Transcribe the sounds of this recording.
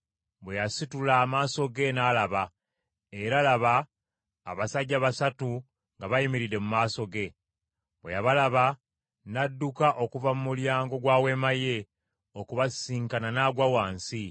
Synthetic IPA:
bwejasitulaːmaːso̞ɡe̞naːlaβa | e̞ɾalaβaː | βasaɟːaβasatu | ŋɡaβajimiɾiɾe̞mumaːso̞ɡe̞ | bwḛjaβalaβa | nadːukaʔo̞kuvamumuljaːŋɡo̞ɡwaːwe̞maje̞ | okuβasiːŋkananaɡwawaːnsi

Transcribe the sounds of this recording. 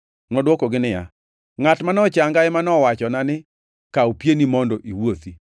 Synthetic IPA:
ŋɔdwokoɡɪnɪja̰ | ŋatmanɔt͡ʃaŋɡaɪmanɔwat͡ʃɔnanɪ | kaopjenimɔndɔʔiwot̪i

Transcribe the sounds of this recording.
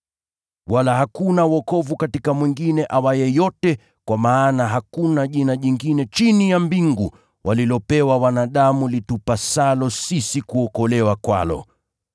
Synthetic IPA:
walaɦakunawɔkɔvukatikamwiŋɡinɛʔawajɛjɔtɛ | kwamaːnaɦakunaʄinaʄiŋɡinɛt͡ʃinijambiŋɡu | wʔalilɔpɛwawanaɗamulitupasalɔsisikuɔkɔlɛwakwa̰lɔ̰

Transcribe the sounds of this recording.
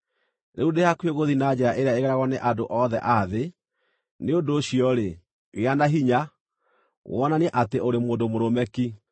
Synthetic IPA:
neudehakweɣoðinad͡ʑɛɾaʔeɾeaeɣɛɾaɣɔneʔadoʔɔðɛ̰ʔaðe | neondoːɕiɔɾe | weanaɦiɲa | ɣɔnaneʔateoɾemoːndomoɾomɛki

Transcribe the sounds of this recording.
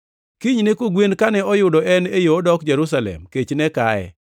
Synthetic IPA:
kiɲnekoɡwenkanɛɔjʊdɔʔɛnejoːdɔkd͡ʒɛɾus̬alɛ̰mket͡ʃnɛkaɛ̰

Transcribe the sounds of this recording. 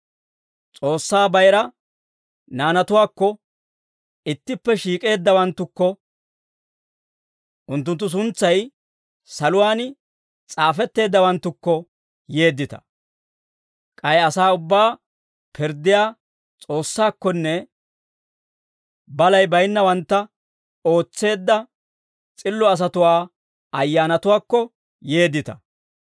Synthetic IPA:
t͡sʼo̞ːsːaːbɐjɾɐ | naːnɐt̪ʊwaːkːɔ | ɪt̪ːɪpːɛʃiːkʼe̞ːd̪ːɐwɐnt̪ːʊkːɔ | ʔʊnt̪̬ːʊnt̪ːʊs̬ʊnt͡sːɐj | sɐlʊwaːnɪ | t͡sʼaːfɛt̪ːe̞ːd̪ːɐwɐnt̪ːʊkːɔ | je̞ːd̪ːɪt̪ɐ̥̰ | kʼɐjɐsaːʊbːaː | pʰɪɾd̪ɪjaː | t͡sʼo̞ːsːaːkːɔnːɛ | bɐlɐjbɐjnːɐwɐnt̪ːɐ | o̞ːt͡sːe̞ːd̪ːɐ | t͡sʼɪlːɔɐs̬ɐt̪ʊwaː | ɐjːaːnɐt̪ʊwaːkːɔ | je̞ːd̪ːɪt̪ɐ

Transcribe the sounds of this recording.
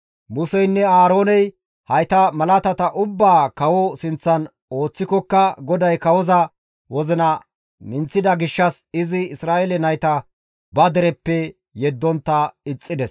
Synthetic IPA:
mʊsɛjnːɛaːɾo̞ːnɛj | hɐjt̪ɐmɐlɐt̪ɐt̪ɐʔʊbːaːkɐwɔsɪnt͡sːɐn | o̞ːt͡sːɪkɔkːɐɡɔd̪ɐjkɐwɔzɐ | wɔzɪnɐ | mɪnt͡sːɪd̪ɐɡɪʃːɐsɪzɪɪsɾaːʔɛlɛnɐjt̪ɐ | bɐd̪ɛɾɛpːɛ | jɛd̪ːɔnt̪ːɐɪt͡sʼːɪd̪ɛs

